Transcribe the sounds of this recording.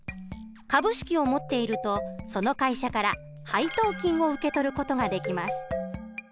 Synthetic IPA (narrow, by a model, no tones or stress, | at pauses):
kabɯ̟ɕi̥kʲio̞mo̞t̪ːe̞iɾɯ̟t̪o̞so̞no̞kaiɕakaɾa | hait̪o̞ːkʲĩɰ̃o̞ɯ̟ke̞t̪o̞ɾɯ̟ko̞t̪o̞ɡad̪e̞kʲimasɨ̥